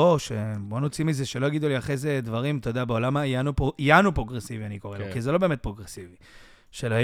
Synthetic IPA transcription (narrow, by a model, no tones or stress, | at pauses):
oʃebo̞not͡simizeʃelo̞jaɡid̪uliaχezed̪vaʁimt̪o̞d̪abeo̞lamajanupijanupʁo̞ɡʁesivianikoʁelokizelo̞beːmet̚pʁo̞ɡʁesivi | ʃelaj